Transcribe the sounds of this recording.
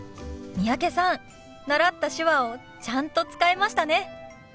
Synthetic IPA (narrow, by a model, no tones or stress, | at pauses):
mʲiake̞sãn | naɾat̪ːaɕɨβao̞ | t͡ɕãnt̪o̞t͡sɨ̥kaemaɕi̥t̪ane̞